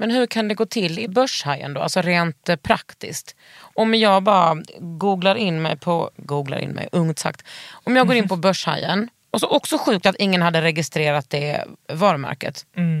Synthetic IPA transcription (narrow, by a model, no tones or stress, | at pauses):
mɛnɦɵɾkʰand̪ɛɡoːt̪ʰɪlːɪbœʂhajə̰nd̪o̰ːa̰lsɔɾeːnt̪pʰɾakt̪ɪ̰skt̪ | ɔmjɑːɡbɑːɾaɡuːɡlaɾɪnːmɛjpʰɔɡuːɡla̰ɾʔɪ̰nmɛ̰jʔɵŋt̪sa̰kt̪ɔmjɑːɡoːɾɪnpʰɔbœʂha̰jːə̰n | ɔsɔʔɔksɔɧʉ̟ːk̚t̪at̪ɪŋːənhad̪ːəɾɛɡɪst̪ɾeːɾat̪̚d̪ɛvɑːɾmæ̰ɾkə̰t̪